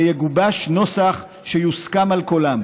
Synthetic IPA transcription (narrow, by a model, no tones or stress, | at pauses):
jeɡubaʃno̞saχ | ʃejuskamalkolam